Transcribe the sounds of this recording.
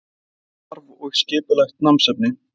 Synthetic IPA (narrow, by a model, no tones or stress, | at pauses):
aɾvɔɣscɪːpɪlaxt̪̚namsɛp̚nɪ